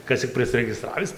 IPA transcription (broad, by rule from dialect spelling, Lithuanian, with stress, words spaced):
ˈkɐs t͡sʲɪk pʲrʲɪsʲrʲɛɡʲɪˈstrɑːʋʲɪs